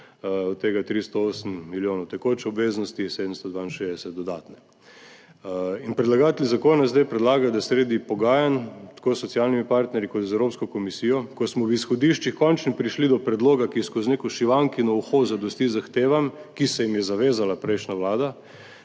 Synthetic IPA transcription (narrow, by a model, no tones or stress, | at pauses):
ɔt̪ːeːɡat̪ɾist̪ɔoːsəmmiljoːnɐwt̪ɛkot͡ʃɔbʋeːznɔst̪iseːd̪əmst̪ɔd̪ʋaːinʃezd̪ɛsɛt̪̚d̪ɔd̪aːt̪nɛ | inpɾɛd̪laɡaːt̪ɛlʲizakoːnazd̪ajpɾɛd̪laːɡad̪asɾeːd̪ipɔɡaːjant̪ḁkoːsːɔt̪sialnimipaɾt̪nɛɾjikɔt̪zɛwɾoːpskɔkɔmisijɔkɔsmɔwisxɔd̪iʃt͡ʃixkɔnt͡ʃnipɾiʃlid̪ɔpɾɛd̪loːɡakiskoznekoʃiʋaŋkinɔuxoːzad̪ɔst̪izaxt̪eːʋamkisɛjimjɛzaʋeːzalapɾɛjʃnaʋlaːd̪a